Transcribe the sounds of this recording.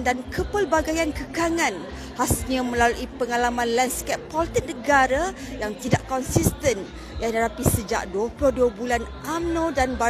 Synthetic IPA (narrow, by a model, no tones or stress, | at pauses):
ndankəpəlbaɡajankəkaŋãn | hasɲãmə̃laluʔipəŋalamãnlɛnskɛpːɔlit̪ik̚nəɡaɾa | jaŋt̪idaʔkɔnsist̪ən | janadapisəd͡ʒa̰ʔduhploduəbulanʔamnõdanba